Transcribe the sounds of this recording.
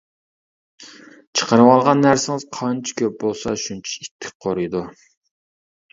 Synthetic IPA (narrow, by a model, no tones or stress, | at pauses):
t͡ʃʰə̥qəɾɨwɑlˠʁɑnːæɾsɪŋɪz̥qʰɑnt͡ʃʰi̥kʲʰøp̚bolˠsɑʃunt͡ʃʰi̥it̪ʰːɪ̥k̚ʲqʰoɾɨjd̪u